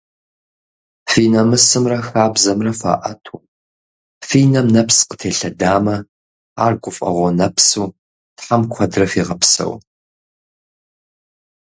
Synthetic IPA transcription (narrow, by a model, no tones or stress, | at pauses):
fiːnɐmɨsɨmrɐxaːbzɐmrɐfa̰ːʔɐtʰum | fiːnɐmnɐpsqə̥tʰeːɬɐdaːmɐ | aːrkʷʼʊfʼɐ̰ʁʷɔnɐpsuː | tħamkʷʰɐdrɐfiːʁɐpsɐ̰w